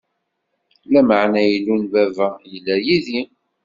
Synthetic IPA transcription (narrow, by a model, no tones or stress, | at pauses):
læməʕnæjəlːunvævæjəlːæjiði